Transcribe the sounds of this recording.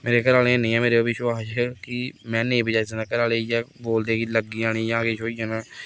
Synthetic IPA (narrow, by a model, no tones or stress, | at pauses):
meːɾekəɾaːleẽnĩːɛ̃ːmeːɾeobiʃoaːʃekimɛ̃ːnẽĩbəd͡ʒaːis̬enãːkəɾaːleːjɛːboːld̪eːkiləɡiaːɽ̃iːjãːkeʃoːid͡ʒənaː